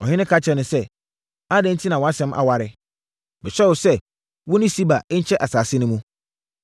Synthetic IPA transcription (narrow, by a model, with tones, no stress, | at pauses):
ɔ˨ɲɪ̃˦nɪ̃˦kʰa˦t͡ɕʰɛ˨nʊ̃˨sɛ˦ | a˦dɛ̃˨n̩˦tʰi˦nã˨wɔ̃˨˦a˦sɛ̃˨˦mʔa̰˨wa˨ɾɪ˨ | mɪ̃˨ɕᶣɛ˦wʊ˨sɛ˦ | wɔ̃˦nɪ̃˦si˦ba˨˦t͡ɕʰɛ˦ʔa˨saː˨sɪ˦nʊ̃˦mũ˦